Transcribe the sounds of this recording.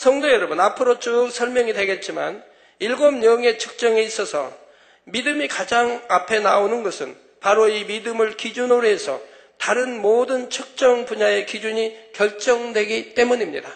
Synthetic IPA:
sʰʌŋdojʌɾʌbɯnapʰɯɾot͡ɕ͈ok̚sʰʌɭmjʌŋidwe̞ɡe̞t̚t͡ɕ͈ima̰n | iɭɡomɲʌŋe̞t͡ɕʰɯ̥k̚t͡ɕ͈ʌŋeis͈ʌsʰʌ̰ | midɯmikad͡ʑaŋapʰe̞naonɯnɡʌsʰɯn | paɾoimidɯmɯɭkid͡ʑunoɾɦesʰʌ̰ | taɾɯnmodɯnt͡ɕʰɯk̚t͡ɕ͈ʌŋpuɲae̞kid͡ʑuɲikjʌɭt͡ɕ͈ʌŋdwe̞ɡit͈e̞muɲimɲḭda

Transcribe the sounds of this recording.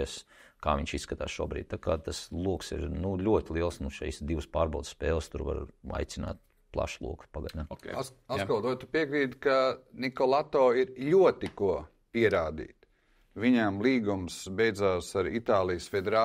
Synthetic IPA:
ɛska̰ːʋʲiɲʃisːkat̪a̰ːsʃuɔbɾḭːd̪̚t̪akaːt̪aslˠuɔksḭɾnulʲuɔt̪ʲlˠiɛlˠsnuʃḭjsd̪iʋspaːɾbawd̪sːpɛːlˠst̪uɾʋa̰ɾa̰jt̪sina̰ːt̪̚ | plˠa̰ʃlˠṵɔkpaɡad̪ʲa̰akɔlˠd̪uɔjt̪upiɛkɾiːd̪kanʲikɔlˠat̪ɔːiɾlʲuɔt̪iku | piɛɾaːd̪ḭːt̪ | ʋiɲamlˠiːɡumsbejd̪zaːsaɾḭt̪aːlˠijsfed̪eɾaː

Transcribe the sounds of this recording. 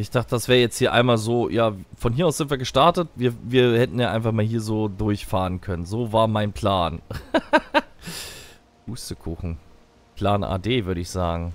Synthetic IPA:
ʔɪçd̥aχtədasv̥ɛːʁəjɛt͡sthiːɐʔa̰ɪnmaːlzoːjʔaːfɔnɦiɐaʊsz̥ɪntv̥iːɐɡəʃtaɐtətviːɐviːɐhɛtn̩jaːʔaɪnfaχmaːlɦiːɐzoːdʊɐçfaːʁənkʰœnənzoːvaːɐmaɪnpʰl̥aːn | huːstəkʰuːxn̩ | pʰl̥aːnʔa̰ːdeːvʏɐɾəɪçz̥aːɡŋ̩

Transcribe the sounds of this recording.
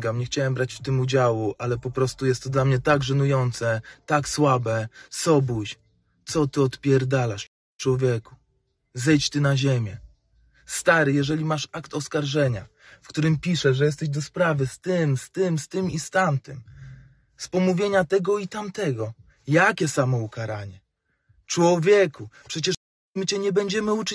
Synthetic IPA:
ɡamɲɛxt͡ɕawɛmbɾat͡ɕft̪ɘmud͡ʑawuʔalɛpɔpɾɔst̪ujɛst̪ːɔd̪lamɲɛt̪aɡʐɛnujɔnt̪sɛt̪akswabɛsɔbuɕ | t̪sɔt̪ɘɔt̪pʲjɛɾd̪alaʂ | t͡ʂwɔvʲjɛku̥ | zɛjt͡ɕt̪ɘnaʑemʲjɛ | st̪aɾɘjɛʐɛlʲimaʂakt̪ɔskaɾʐɛɲa | fkt̪uɾɘmpʲiʂɛʐɛjɛst̪ɛʑd̪ɔspɾavɘst̪ɘmst̪ɘmst̪ɘmist̪amt̪ɘm | spɔmuvʲjeɲat̪ɛɡɔit̪amt̪ɛɡɔ | jakʲɛsamɔukaɾaɲɛ | t͡ʂwɔvʲjɛkupʂɛt͡ɕɛʂ | mɘt͡ɕɛɲɛbɛɲd͡ʑɛmɘut͡ʂ

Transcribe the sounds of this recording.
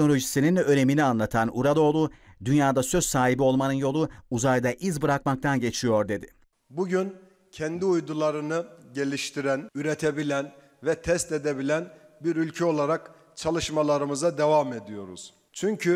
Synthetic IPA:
nolʲo̞ʒisininø̞ɾe̞minianlˠat̪ʰanuɾad̪o̞ːlˠud̪ynjaːd̪asø̞zsaːɦibio̞lˠmanɯnjo̞lˠuuzajd̪aʔizbɯɾak̚mak̚t̪ʰanɟe̞t͡ʃʰijo̞ɾd̪e̞d̪ɪ | buɟyn | cʰɛnd̪iujd̪ulˠaɾɯnɯɟe̞lʲiʃt̪ʰiɾænyɾet̪ʰebilʲæn | vɛt̪ʰɛst̪ed̪e̞bilʲænbiɾylʲcʰɛo̞lˠaɾak | t͡ʃʰalˠɯʃmalˠaɾɯmɯzad̪evame̞d̪ijo̞ɾṵz̥ | t͡ʃʰyɲcʰy

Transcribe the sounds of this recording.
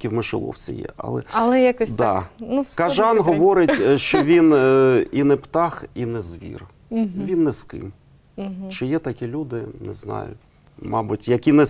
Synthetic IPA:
kʲiwmɪʃɪlˠɔ̰wt͡sʲḭjɛ̰ʔɐ̰lˠɛ̰ɐlˠɛjakɔd̪ɑnukɐʒɑnɦɔʋɔɾɪtʲʃt͡ʃɔʋʲininɛpt̪ɑxinɛzʋʲḭr | ʋʲinːɛskɪ̰m | t͡ʃɪjɛt̪ɐkʲilʲud̪ɪnɛ̰znɑ̰jʊ̰ | mɑbʊtʲjɐkʲinɛ

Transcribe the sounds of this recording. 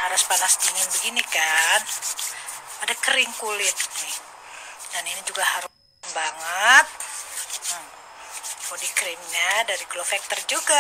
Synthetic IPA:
haɾʊspanast̪iŋanbəɡinikan | adakəɾɪŋkulɪt̪̚nɪh | daninid͡ʒuɡahaɾʊ | mbaŋət̪̚ | əm | podikɾimɲadaɾiklofɛk̚t̪ərd͡ʒuɡa

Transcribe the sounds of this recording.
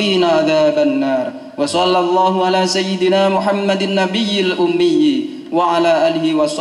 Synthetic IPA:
iːnaʔaðaːbanːaːɾˤ | wɑsˤɑlːɑlˤːɑːɦʊʕalaːsajːɪd̪ɪnaːmʊħamːad̪anːabɪjːalʔʊmːɪjː | waʕalaːʔaːlɪhɪwɑsˤ

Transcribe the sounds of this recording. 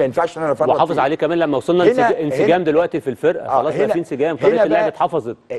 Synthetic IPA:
enfæʃnælfweħɑːfezˤʕaleːkæmæːnlæmːæwsˤɑlnɑʔenseɡæːmd̪elwæʔt̪ifilfeɾʔæ̰xɑlɑːsˤmæiːenseɡæːmfjt̪elːeʕbæt̪ħɑfɑzˤet̪̚ˤ

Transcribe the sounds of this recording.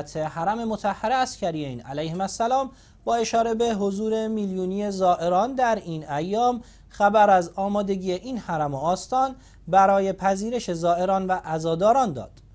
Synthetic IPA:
t̪ʰehæɾæme̞mo̞t̪ʰæhːæɾe̞æscʰæɾijenæ̰læjhemæsːælɒːm | bɒːeʃɒːɾe̞be̞ɦozuːɾe̞miːljuːniːe̞zɒːʔe̞ɾɒːnd̪æɾiːnæjːɒːm | xæbæɾæzɒːmɒːd̪e̞ɟiːeʔiːnhæɾæmoːst̪ɒːn | bæɾɒːje̞pʰæziːɾe̞ʃe̞zɒːʔe̞ɾɒːnvæʔæzɒːd̪ɒːɾɒːnd̪ɒ̰ːd̪̥

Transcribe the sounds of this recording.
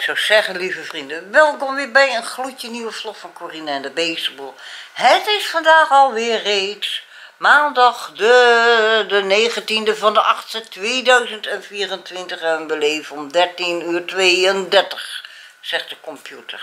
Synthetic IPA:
ksowsɛɣənlivəfrindəʋɛlˠkonʋɪbɛjənxlutjəniʋəflɔxfɔnkoːrinaɛndəbeːsəbulˠhətɪsfɑndaːxɔlˠʋɪːərːeːts | maːndɑxdə | dəneːɣəntindəvɔndəʔɑxtstətʋeːdœɥzəntɛnfiːrəntʋɪntəχɛʋənbəleːfəɔmdɛrtinyːrtʋeːəndɛrtəx | sɛxt̚d̥əkɔmpjutər

